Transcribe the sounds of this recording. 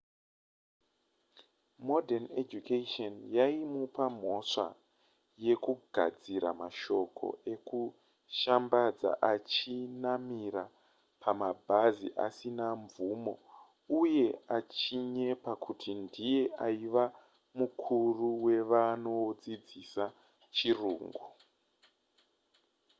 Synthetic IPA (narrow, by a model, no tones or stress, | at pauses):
modʱened͡ʒukatonjaimupam̤o̞ʂa̰ | je̞kuɡʱa̰d͡ziɾa̰maʃo̞kʰo̞̰e̞ku | ʃambad͡za̰ʔat͡ʃinamiɾa | pʰamabʱazḭʔa̰sinaɱvumo̞ | uje̞at͡ʃiɲe̞pakʰutʰindije̞ʔaiʋa | mukʰuruwe̞ʋano̞d͡zid͡zisa | t͡ʃiruːŋɡu